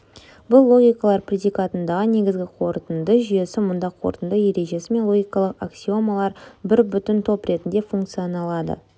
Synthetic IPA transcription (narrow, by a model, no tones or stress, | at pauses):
bʊlˠːo̞ɡʲijkɑlˠɑɾprʲe̞d̪ʲijkat̪ənd̪ɑʁəne̞ɡʲɪzɡʲɪqʰo̞ɾt̪ənd̪əʒʏje̞sɪmʊnd̪ɑqʰo̞̰ɾt̪ənd̪əje̞ɾe̞ʒe̞sɪme̞nlˠo̞ɡʲijkɑlˠəqaksʲio̞malˠɑɾbɪɾbʏt̪ɪnt̪ʰo̞pɾʔe̞t̪ɪnd̪e̞fuŋkt̪sijonɑlˠɑd̪ə̰